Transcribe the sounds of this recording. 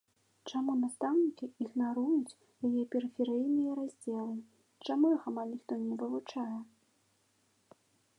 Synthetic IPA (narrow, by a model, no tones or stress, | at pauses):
t͡ʂamunast̪awnʲikʲiiɣnaɾujut͡sʲ | jajɛpʲɛɾɨfʲɛɾɨjnɨjɐɾazʲd͡zʲɛlˠɨ | t͡ʂamujxamalʲnʲixt̪ɔnʲɛvɨvut͡ʂajɛ